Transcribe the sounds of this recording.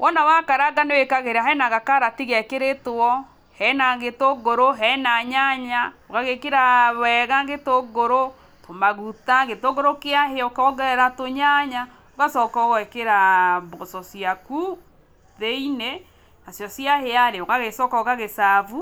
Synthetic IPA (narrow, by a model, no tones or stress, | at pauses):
wʔɔnawakaɾaɡanewekaɣeɾaɦɛnaɣakaɾatiɣɛkeɾetwɔ | hɛnaŋɡetoɡoɾoɦɛnaɲaɲaoɣaɣekeɾaβɛɣaŋɡetoɡoɾo | tomaɣutaŋɡetoɡoɾokeaɦeɔkɔɡɛɛɾatoɲaɲa | oɣasɔːkɔɣɔekeɾabɔsɔsiaku | ðeine | nasjɔsjaheaɾeoɣaɣesɔkɔɣaɣesavu